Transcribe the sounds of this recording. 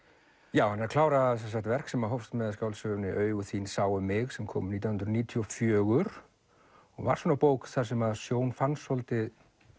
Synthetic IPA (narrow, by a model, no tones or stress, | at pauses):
jaːwhanːɛɾkʰlaːwɾaðsɛmsakt̪vɛr̥ksɛmaɦɔwfst̪mɛðascawlsʏɣnɪʔœːɥɣʏθiːnsaːwʏmɪɣsɛmkʰɔ̰ːmniːt̪jahnɾʏniːt̪ʰiɔfjœːɣʏɾ̥ | ɔɣva̰ɾ̥svɔːnapoːwkθḁsɛmaðsjoːwnfanshɔlt̪ɪð